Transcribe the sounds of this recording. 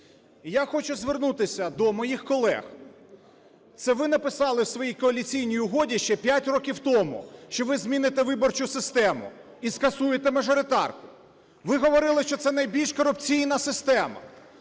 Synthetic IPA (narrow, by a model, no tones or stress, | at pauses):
jaxɔt͡ʃʊzʋernut̪ɪsʲɐd̪ɔmɔjixkɔlˠɛ̰x | t̪sɛʋɪn̪ɐpɪsɑlˠɪwsʋɔjijkɔɐlʲit͡sʲijnʲijʊɦɔdʲiʃt͡ʃɛpʲjatʲrɔkʲiwt̪ɔmʊ̰ʃt͡ʃɔʋɪzmʲinɪt̪eʋɪbɔrt͡ʃʊsɪst̪ɛmʊ̰ | iskɐsujet̪emɐʒɔɾɪt̪ɑ̰rkʊ | ʋɪɦɔʋɔɾɪlˠɪʃt͡ʃɔt̪sɛnɐjbʲilʲʃkɔɾʊp̚t͡sʲijnɐsɪst̪ɛmɐ̰